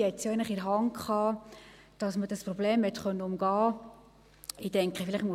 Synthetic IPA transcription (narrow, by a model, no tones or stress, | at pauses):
ɛtt͡sjɛɡɪnlɪχɪɾɦɑŋkχɑː | d̥ɑsməd̥ɑspɾɔbleːmhɛt̪χœnːəʊmɡ̥ɑː | iːtɛŋkχəfɪlɪχmu